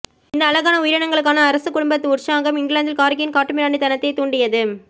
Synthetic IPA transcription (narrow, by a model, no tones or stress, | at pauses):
ɪnd̪ɐːlɐɣaːnɐʊjɪɾɐɳɐŋɡɐɭɯk̬ːaːnɐːɾɐsɯkʊɽʊmbɐt̪ːɯʊɾsaːɣɐmɪŋɡɭaːnd̪ɪlkaːɾkɪjɪnkaːʈːɯmɪɾaːɳɖit̪ɐnɐt̪ːɐɪt̪uːɳɖɪjɐðɯ